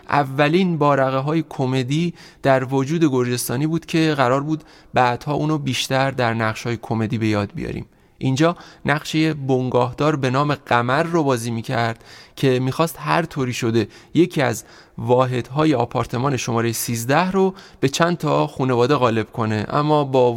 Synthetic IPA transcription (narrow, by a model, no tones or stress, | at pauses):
ʔæ̰vːæliːnbɒːɾæɣeɦɒːje̞kʰome̞d̪iː | d̪̥æɾvod͡ʒuːd̪e̞ɡo̞ɾd͡ʒe̞st̪ɒːniːbuːd̪̥kcʰe̞ɣæɾɒːɾbuːd̪ | bæd̪̥hɒːʔuːnobiːʃt̪æɾd̪æɾnæʁʃhɒːje̞kʰo̞me̞d̪iːbe̞jɒːd̪̚bḭjɒ̰ɾḭːm | ʔind͡ʒɒːnæɢʃejebo̞ŋɡɒːɦd̪̥ɒːɾbe̞nɒːme̞ɢæmæɾːobɒːziːmiːcʰæɾd̪̥cʲʰe̞miːxɒːst̪hæ̰ɾt̪ʰoːɾiːʃo̞d̪e̞je̞cʰiæ̰z | vɒːɦe̞d̪̥ɦɒːje̞ɒːpʰɒːɾt̪ʰe̞mɒːne̞ʃo̞mɒːɾejesiːzd̪æhɾob̥e̞t͡ʃʰænt̪ʰɒxunevɒːd̪eɣɒːle̞b̥kʰo̞ne̞ʔæ̰mːɒːbɒː